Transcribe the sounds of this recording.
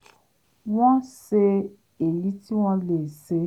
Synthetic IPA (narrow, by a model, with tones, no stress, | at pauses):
w̃ɔ̃˦se˧ | e˨ji˨˦ti˦w̃ɔ̃˧le˨se˧˦